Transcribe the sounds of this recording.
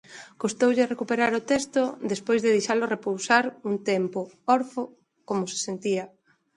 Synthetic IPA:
kost̪owʎerekupeɾaɾot̪ɛst̪od̪espojzðeðejʃalorepowsaɾuŋt̪ɛmpo | ɔɾfo | komose̥sent̪iɐ

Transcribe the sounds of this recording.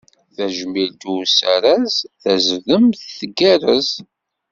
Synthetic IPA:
θæʒmild̪usæɾæzθæzðəmθθəɡærəz

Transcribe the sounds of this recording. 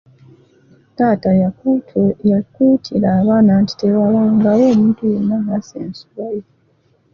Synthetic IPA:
taːtaja | akutʰilaβaːnaːnti̥tewawaŋɡawomudinahasḛːnsulaje

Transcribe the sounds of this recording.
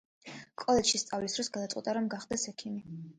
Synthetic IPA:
kʼɔlɛd͡ʒʃist̪sʼavlisd̪ɾɔsɡad̪at̪sʼɛ̰t̪ʼaɾɔmɡaχd̪ɛsɛkʰimi

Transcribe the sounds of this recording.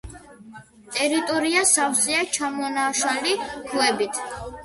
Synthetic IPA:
t̪ʼɛɾit̪ʼɔɾiasawziat͡ʃʰamɔnaʃalikʰlɛbit̪ʰ

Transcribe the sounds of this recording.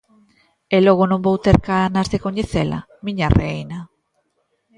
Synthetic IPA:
eloɣ̞onõmbowt̪eɾkanazðekoɲeθela̰ | miɲarejna

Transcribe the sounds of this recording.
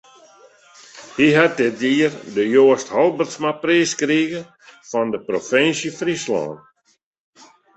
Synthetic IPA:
hiɦat̚dɪt̚diərdəjoːsthɔlˠbərtsmapriːskriɣə | fɔndəprofɪnsjəfrislɔ̰ːn

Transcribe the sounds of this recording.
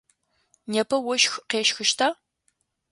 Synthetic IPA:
nɛpʰɐwɔʃxqeːʃxɨʃtʰaː

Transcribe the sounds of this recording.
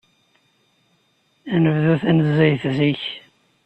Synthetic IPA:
ænəvðuθænəzːæjθziç

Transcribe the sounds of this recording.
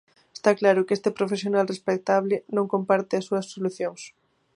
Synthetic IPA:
est̪aklaɾʊkest̪ɪpɾofesjonalrespek̚t̪aβlɪnõŋkompaɾt̪ɪɐsːuɐsːoluθjoŋs

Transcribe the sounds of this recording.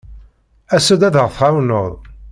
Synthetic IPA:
æsud̪æðəʁθʁawnoðˤ

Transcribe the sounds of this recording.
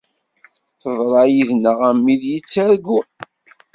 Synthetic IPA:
θəðˤɾˤɑjiðnəʁæmːiðjit͡sːæɾɡu

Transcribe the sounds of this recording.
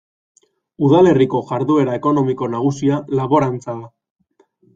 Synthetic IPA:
uðale̞riko̞ʝaɾðue̞ɾaeko̞no̞miko̞naɣ̞usialaβo̞ɾant͡saða

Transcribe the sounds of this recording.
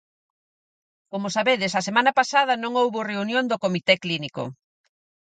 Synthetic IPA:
komʊsaβeðɪs̬ɐsemãnɐpasað̞ɐnõŋowβoreunjond̪okomit̪ɛkliniko̰

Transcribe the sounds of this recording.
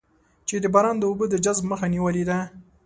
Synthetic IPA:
t͡ʃed̪əbɑɾɑnd̪əubəd̪əd͡ʒazbməxaniwəled̪a

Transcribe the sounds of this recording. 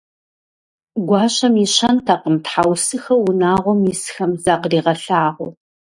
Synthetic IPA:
ɡʷɑːɕɐmiɕʰɐntʰaːqəmtħawsɨxɐwʊnaːʁʷɔmjisxɐmzaːqriːʁɐɬaːʁʷɔ̰

